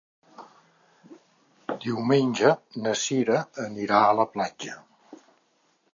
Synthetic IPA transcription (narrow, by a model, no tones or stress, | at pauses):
d̪iwmenʲd͡ʒənəsiɾəːniɾaələplad͡ʒə